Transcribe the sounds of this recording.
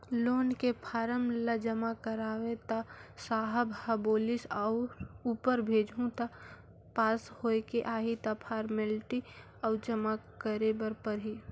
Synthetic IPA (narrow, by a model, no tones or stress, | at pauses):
loːnkepʰaːɾəmləd͡ʒəmakəɾaːwẽt̪asaːɦəbʱaboːlɪsaʊɾuːpəɾbʱeːd͡ʒʱũt̪a | paːshoːekeʔaːɦit̪apʰaːɾmelʈi | ɔːt͡ʃəmakəɾebəɾpəɾɦi